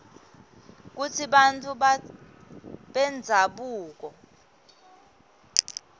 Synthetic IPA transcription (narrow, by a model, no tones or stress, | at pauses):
k̬ut͡sʰiɓantʼu | ɓɛnd͡zʱaɓuːk̬ɔ